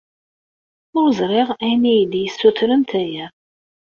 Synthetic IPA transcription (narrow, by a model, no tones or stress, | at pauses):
ʊɾzɾɪʁæjnijd̪jəsːuθɾənt̪æjæ